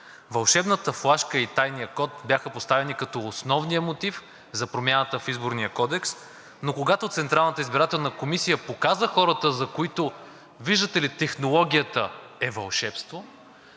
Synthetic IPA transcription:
vɐlˠʃɛbnət̪əflˠaʃkəit̪ajnijəkɔt̪̚bjaxəpost̪avɛnikɐt̪ɔːsnɔvnijəmot̪if | zɐpɾomʲjanət̪əfizboɾnijəkɔd̪ɛks | nokoɡat̪ot̪sɛnt̪ɾalˠnət̪əizbiɾat̪ɛlˠnəkomisijəpokazəxɔɾət̪əzɐkoit̪o | viʒd̪ət̪ɛlit̪ɛxnolˠɔɡ̟ʲiət̪ə | ɛvɐlˠʃɛpst̪vo

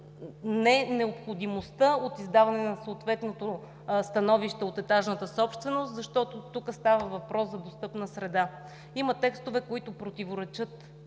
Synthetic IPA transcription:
nɛnɛopxod̪imost̪əot̪izd̪avɐnɛnɐsoːt̪vɛt̪not̪o | st̪ɐnɔviʃt̪ɛot̪ɛt̪aʒnət̪əsɔpʃt̪vɛnost̪zɐʃt̪ɔt̪ot̪ukəst̪avəvɐpɾɔszɐd̪ost̪ɤpnəsɾɛd̪a | imət̪ɛkst̪ʊvɛkoit̪ʊpɾot̪ʲivoɾɛt͡ʃɤt̪

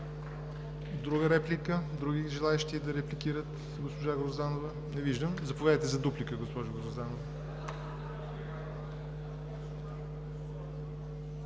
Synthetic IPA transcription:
d̪ɾuɡəɾɛplikəd̪ɾuɡiʒɛlˠaɛʃt̪id̪ɐɾɛplikiɾət̪ | ɡospoʒaɡɾozd̪anovə | nɛviʒd̪əmzɐpovʲad̪əjt̪ɛzɐd̪uplikəɡospɔʒʊɡoɾzd̪anovə

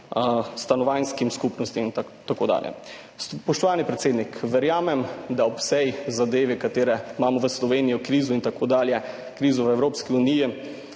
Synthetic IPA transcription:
st̪anɔʋajnskimskupnɔst̪int̪ | t̪akod̪a̰ːljɛ̰ | spɔʃt̪ɔʋaːnipɾɛt̪seːd̪nikʋɛɾjaːmɛmd̪aɔpsɛjzad̪eːʋikat̪eːɾɛmaːmɔʋəslɔʋeːnijɔkɾiːzuint̪akod̪aːljɛ | kɾiːzɔʋəɛwɾoːpskiuniːji

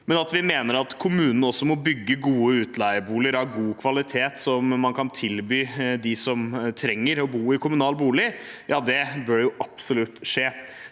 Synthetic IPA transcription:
mɛnɑt̪ʋɪmeːnəɾɑt̪kʰʊmʉːnən̩ɔsːɔmɔbʏɡːəɡuːəʉːt̪læɪəbuːlɪəɾɑɾɡuːkʰʋɑlɪt̪ʰeːt̪sɔmːɑnkʰɑnt̪ʰɪlbyːd̪ɪsɔmt̪ʰɾɛŋːəɾɔbuːɪkʰʊmʉnɑːlbuːlɪjɑːd̪ɛbøːɾjʊʔɑpsʊlʉt̪ːʂeː

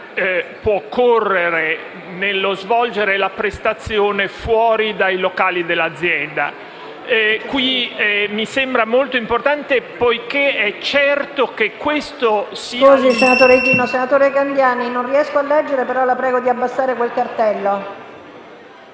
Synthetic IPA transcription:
pwɔkʰːorːeɾe | nelːozvɔld͡ʒeɾelapɾest̪at̪sːjoːnefwɔːɾid̪ajlokaːlid̪elːad̪zːjɛnd̪a̰ | kwiɛmisembɾamolt̪oimport̪ant̪epojkeɛt͡ʃːɛrt̪okekːwest̪ossiozisenat̪oːɾet̪iːnosenat̪oːɾekand̪jaːninonriɛskoalːɛd͡ʒːeɾepeɾɔlapɾɛːɡod̪iabːasːaːɾekwelkart̪ɛlːo

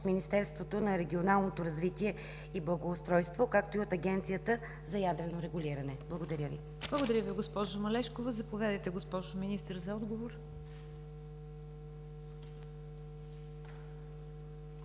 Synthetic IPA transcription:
minist̪ɛɾst̪vot̪onɐɾɛɡʲionalˠnot̪oɾɐzvit̪iɛ | iblˠɐɡoːst̪ɾɔjst̪vokak̚t̪oiot̪ɐɡʲɛnt̪sijət̪ə | zɐjad̪ɾɛnoɾɛɡulʲiɾɐnɛblˠɐɡod̪ɐɾʲəvḭ | b̥lˠɐɡod̪ɐɾʲjəviɡospɔʒʊmɐlɛʃkovɐzɐpovʲjad̪əjt̪ɛɡospɔʒʊminist̪əɾzɐɔd̪ɡovoɾ

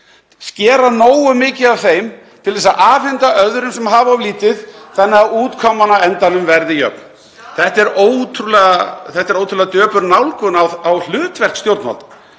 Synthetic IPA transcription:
scɛːɾanoːwʏmɪːcɪavθejm | t̪ʰɪlvɛs̬aðʔaːfɛnt̪aʔœðɾʏmsɛmɦaːvaɔliːt̪ɪðθanːɪauːt̪kʰɔmːanaɛnt̪anʏmvɛɾðɪjœ̰p̚n | θɛht̪ɛɾoːwt̪ʰɾulɛɣaθɛht̪ɛɾowt̪ʰɾulɛɣat̪œːpʏɾnawlkʏnaawl̥ʏːt̪vɛr̥kst̪jowɾt̪a̰lt̪ḁ

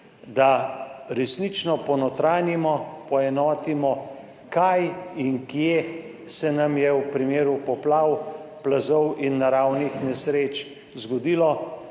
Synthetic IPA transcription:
d̪aɾɛsnit͡ʃnɔpɔnɔt̪ɾaːnimɔpɔɛnɔːt̪imɔ | kajiŋkje | sɛnamjɛwpɾimeːɾupɔplaːwplazɔwʔinːaɾawnixnɛsɾeːt͡ʃ | zɡɔd̪iːlɔ

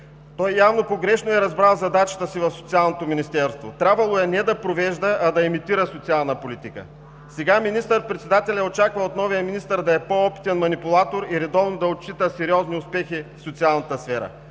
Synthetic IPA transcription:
t̪ɔjːavnopoɡɾɛʃnoɛɾɐzbɾalˠzɐd̪at͡ʃɐ̥t̪əsivɐfsot̪sialˠnot̪ominist̪ɛɾst̪vo̰t̪ɾʲabvɐlˠoɛnɛd̪ɐpɾovɛʒd̪əʔɐd̪ɐɛmit̪iɾəsot̪sialˠnəpolit̪ikə̰ | sɛɡaminist̪əɾpɾɛt̪sɛd̪at̪ɛlʲɛot͡ʃakvɐot̪nɔvijəminist̪əɾd̪ɐɛpoɔpi̥t̪ɛnmɐnipʊlˠat̪oɾiɾɛd̪ɔvnod̪ɐot̪̚t͡ʃit̪əsɛɾiɔzniʊspɛxifsot̪sialˠnɐt̪əsfɛɾə̰

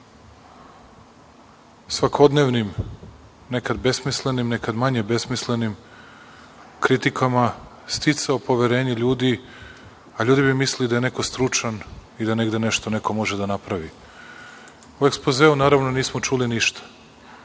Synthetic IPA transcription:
sʋakʰod̪neʋnim | nekad̪be̞smisle̞nimnekad̪maɲebe̞smisle̞nim | kɾit̪ikʰama | st̪it̪saopo̞ʋeɾe̞ːɲeʎuːd̪i | aʎuːd̪ibimislid̪ajene̞ko̞st̪ɾut͡ʂanid̪aneɡd̪e̞neʃt̪one̞ko̞mo̞ʒed̪anapɾaʋi | ue̞ksplozeːunaːɾaʋnoniːsmot͡ʃuliniʃt̪ʰḁ

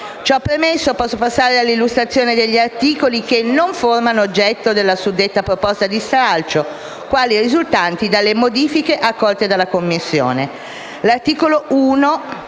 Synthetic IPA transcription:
t͡ʃɔpːɾemesːopɔsːopasːaːɾealːilːust̪ɾat̪sːjoːned̪eʎːiart̪iːkolikenːoɱformanood͡ʒːɛt̪ːod̪elːasud̪ːet̪ːapɾopɔst̪ad̪ist̪ɾalt͡ʃo | kwaːlirizult̪ant̪id̪alːemod̪iːfikeʔakːɔlt̪ed̪alːakomːisːjo̰ːne | lart̪iːkoloʔuːno

